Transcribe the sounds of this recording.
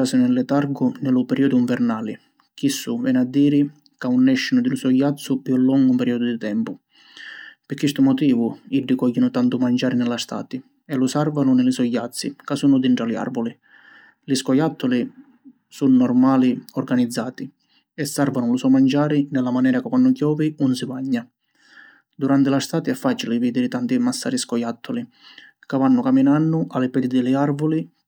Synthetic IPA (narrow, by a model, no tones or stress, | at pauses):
aːsɪnɛlːɛt̪aɾɡʊnɛlʊpɛɾʔiɔd̪ʊiɱvɛɾnaːli | k̟isːuvɛːnad̪ːiːɾi | kaunːɛʃːinʊd̪ɪlusɔjːat̪sːʊpjulːɔŋɡumpɛɾiɔd̪ʊd̪it̪ɛmpʊ | pɪkːwist̪ʊmɔt̪iːvʊiɖːikɔjːinʊt̪ant̪umand͡ʒaːɾinɛlast̪a̰ːt̪i | ɛlusarvanʊnɪlɪsɔjːat̪sːḭkasunʊd̪iɳʈɾalia̰rbɔli | liskɔjat̪ʰːʊli | sunːɔrmaːliɔrɡanid̪zːaːt̪i | ɛsːaɾvanʊlusɔmand͡ʒaːɾinɛlːamanɛːɾakɪkwanːʊkjɔːviunsɪbaɲːa | d̪uɾant̪ɪlast̪aːt̪iɛfːaːt͡ʃilɪviːd̪ɪɾɪt̪ant̪imasːa̰ːɾiskɔjat̪ʰːɔli | kavanːʊkaminanːʊʔalːɪpɛd̪ɪd̪ɪlɪarvʊli